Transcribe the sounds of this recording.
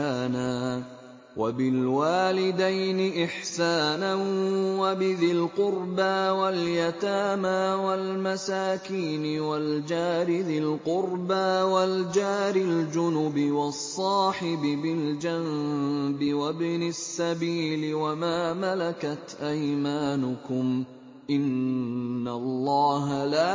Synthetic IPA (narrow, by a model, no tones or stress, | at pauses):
aːnaː | wabɪlwaːlɪd̪ajnɪʔɪħsaːnanwabɪðɪlqʊɾbaːwaljat̪aːmaːwalmasaːkiːnɪwald͡ʒaːɾɪðɪlqʊɾbaːwald͡ʒaːɾɪld͡ʒʊnʊbɪwɑsˤːɑːħɪbɪbɪld͡ʒanbɪwabnɪsːabiːlɪwamaːmalakat̪ʔajmaːnʊkʊm | ʔɪnː | alˤːɑːɦalaː